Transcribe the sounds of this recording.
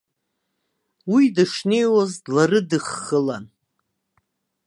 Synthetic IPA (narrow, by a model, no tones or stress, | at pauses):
widɨʂne̞jwazdlarɨdɨχːəlan